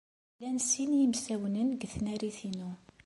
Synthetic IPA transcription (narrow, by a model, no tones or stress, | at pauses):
lænsinjəmsæwnənɡθnæɾiθinu